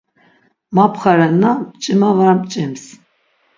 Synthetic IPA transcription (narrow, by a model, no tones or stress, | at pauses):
mapʰχaɾɛnːapt͡ʃʼimavaɾampt͡ʃʼims